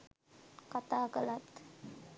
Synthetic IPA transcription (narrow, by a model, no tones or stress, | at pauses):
kat̪aːkəlat̪